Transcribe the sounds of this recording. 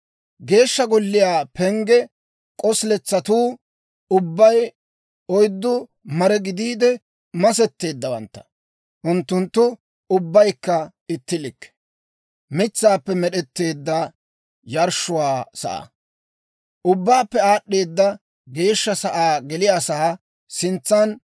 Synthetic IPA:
ɡe̞ːʃːɐɡɔlːɪjaːpʰɛŋɡɛ | kʼɔslɛt͡sːɐt̪uː | ʊbːɐj | ɔjd̪ːʊ | mɐɾɛɡɪd̪iːd̪ɛ | mɐs̬ɛt̪ːe̞ːd̪ːɐwɐ̰nt̪ːɐ̥ | ʔʊnt̪ːʊnt̪ːʊ | ʊbːɐjkːɐ | ɪt̪ːɪlɪkː | mɪt͡sːaːpːɛmɛɗɛt̪ːe̞ːd̪ːɐ | jɐɾʃʊwaːsɐ̰ʔa̰ | ʔʊbːaːpːɛaːɗːe̞ːd̪ːɐ | ɡe̞ːʃːɐsɐʔaːɡɛlɪjaːsɐ | sɪnt͡sːan

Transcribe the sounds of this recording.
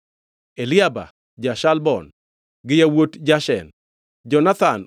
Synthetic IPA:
elɪaba̰ | d͡ʒaʃalbɔ̰n | ɡɪjawotd͡ʒaʃɛ̰n | d͡ʒɔnat̪a̰n

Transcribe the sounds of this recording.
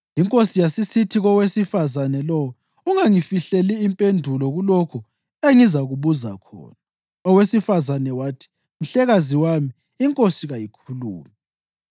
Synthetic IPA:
iŋkʼosijasisitʰiɣɔwesifazanɛlɔwɔ | uŋaŋifiɬeliːmpʼendʱulɔɣulɔkʰu | eŋizaɣuβuza̰kʰɔ̰ːna | ɔwesifazanɛwaːtʰi̥ | m̩ɬɛɣaziwamiː | ŋkʼosiɣajikʰuluːmɛ

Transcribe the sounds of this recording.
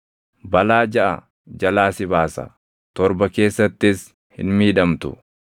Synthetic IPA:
bɐlaːd͡ʒɐʔɐ | d͡ʒɐlaːsɪbaːsɐ̰ | t̪ɔɾbɐke̞ːsːɐt̪ːɪs | hɪ̰nmiːᶑɐmt̪ʊ̰

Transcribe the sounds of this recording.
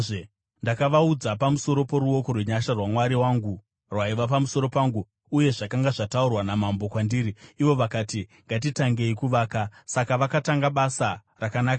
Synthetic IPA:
ndakaʋaud͡zapamuso̞ɾo̞po̞ɾuo̞ko̞rweɲaʃarwamwaɾiwaŋɡu | rwaiʋap̬amuso̞ɾo̞paːŋɡu | uje̞ʐakaŋɡaʐataurwanamambo̞kwandiːɾiːʋo̞ʋakaːtiŋɡat̬itaŋɡe̞ikuʋaːkasakaʋakataŋɡaɓasa | rakanaːka

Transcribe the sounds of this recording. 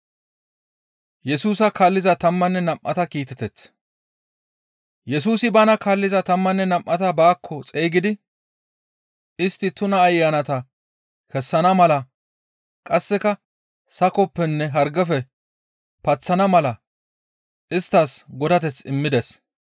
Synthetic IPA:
jɛsuːsɐkaːlːɪzɐt̪ɐmːɐnːɛnɐmʔɐ̰t̪ɐkiːt̪ɛt̪ɛt͡s | jɛsuːsɪbanɐkaːlːɪzɐt̪ɐmːɐnːɛnɐmʔɐt̪ɐbaːkʰːɔt͡sʼe̞ːɡɪd̪ɪ | ɪst̪ːɪt̪ʊnɐːjːaːnɐt̪ɐ | kɛsːɐnɐmɐlɐ | kʼɐsːɛkɐ | sɐkɔpːɛnːɛɦɐɾɡɐfɛ | pɐt͡sːɐnɐmɐlɐ | ʔɪst̪ːɐsɡɔd̪ɐt̪̬ɛt͡sɪmːɪd̪ɛs

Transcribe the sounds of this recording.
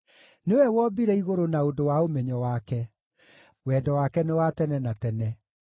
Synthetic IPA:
newɛwɔbiɾɛiɣoɾonaodowaomɛɲɔwakɛ | wɛdɔwakɛnewatɛnɛnatɛnɛ

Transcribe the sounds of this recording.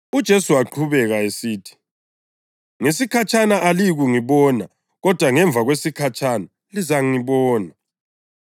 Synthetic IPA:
ud̥ʒ̥ʱesuaǃʰuβɛɣaesiːtʰi̥ | ŋesikʰat͡ʃʼanaʔaliɣuŋiβɔːna | ɣɔd̥ʱwaŋɛɱb̪vʱaɣwesikʰat͡ʃʰʼana | lizaŋiβɔːna

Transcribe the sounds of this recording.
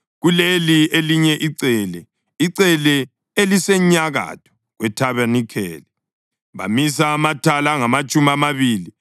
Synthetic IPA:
ɣulelieliɲɛʔiǀɛlɛ | iǀɛlɛ | elisɛɲaɣa̰tʰɔ̥ | ɣwɛtʰaβɛnikʰɛ̰ːlɛ | βa̰misamatʰalaŋamat͡ʃʼumiamaβiːli

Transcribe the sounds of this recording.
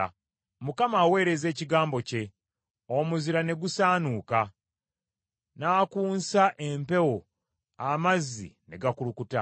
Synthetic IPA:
mukamaːwe̞ːɾe̞ze̞ːciɡaːmbo̞ce̞ | o̞muziɾane̞ɡusaːnuːka | naːkuːnsaʔe̞mpe̞wo | amazːḭne̞̰ɡakulukuta̰

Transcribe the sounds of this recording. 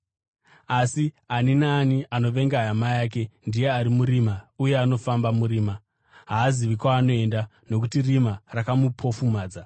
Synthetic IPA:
asi | aninaːniʔano̞ʋe̞ŋɡajamajaːk̬e̞ndije̞aɾimuɾimauje̞ano̞fambamuɾiːma | ɦaːziʋikwaːno̞e̞nda | no̞k̬utirimarakamupʰo̞fumaːd͡za

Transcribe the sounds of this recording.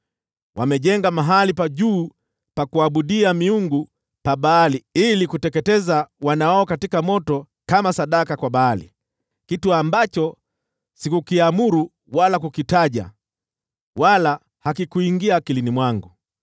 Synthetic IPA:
wʔamɛʄɛŋɡamaɦalipaʄuː | pakuaɓuɗiamiuŋɡu | paɓaːliilikutɛkɛtɛzawanaaɔkatikamɔtɔ | kamasaɗakakwaɓaːlḭ | kituambat͡ʃɔ | sikukiamuɾu | walakukitaʄa̰ | wala | hakikuiŋɡiaːkilinimwaŋɡu

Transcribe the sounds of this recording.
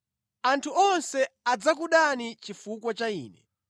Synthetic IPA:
antʰuɔnsɛad͡zakuɗanit͡ʃifukwat͡ʃaḭːnɛ̰

